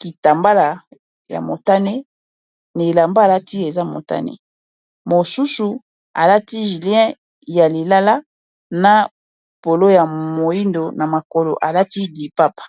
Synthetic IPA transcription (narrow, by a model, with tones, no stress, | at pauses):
ki˨ta˨mba˦la˨ | ja̰˨mo˨ta˦ne˦ | ne˨la˨mba˦˨la˦ti˦e˨za˦mo̰˨ta̰˦nḛ˦ | mo˨su˦su˨ | a̰˨la˦ti˦ʒi˨ljɛ̃˦ | ja˨li˨la˦la˦ | na˨ | po˨lo˦ja˨mo˨i˦ndo˨na˨ma˨ko˨lo̰˨ʔa˨la˦ti˦di˨pa˦pḁ˨